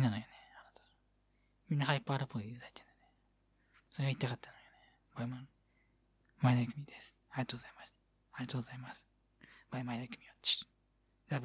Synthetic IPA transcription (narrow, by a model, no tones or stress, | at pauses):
inanojoneaɾat̪o̥ | mʲĩnːahaipːaɾɯpːoiit̪ad̪ai̥t̪ẽnd̪ene | soɾeɡait̪ːakat̪ːanojone | baima | maid̪akɯ̟mʲid̪esɨ̥ | aɾʲiat̪oːɡzaimaɕt̪ḁ | aɾʲiat̪oːɡozaimasɨ̥ | b̥aimaid̪akɯ̟mʲioi̥ | ɾab